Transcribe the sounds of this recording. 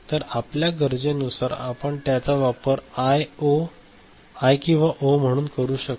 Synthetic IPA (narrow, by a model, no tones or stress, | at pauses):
t̪əɾapljaɡəɾd͡zenusaɾapəɳt̪jat͡saʋapəɾajo | ajkĩw̃ʋaʔom̤əɽ̃uːnkəɾuːɕək